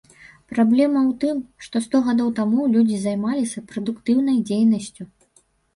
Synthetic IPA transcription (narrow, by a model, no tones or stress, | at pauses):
pɾablʲɛmɐwt̪ɨmʂt̪ɔst̪ɔɣad̪ɔwt̪amulʲud͡zʲizajmalʲisʲɐpɾɐd̪ukt̪ɨwnɐjd͡zʲejnɐsʲt͡sʲu